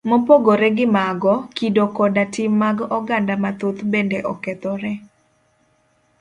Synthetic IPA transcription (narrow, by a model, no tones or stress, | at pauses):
mopoɡoɾɛɡɪmaɡɔkidokɔdatɪmːaɡɔɡandamat̪ot̪bendeʔɔkɛt̪ɔɾɛ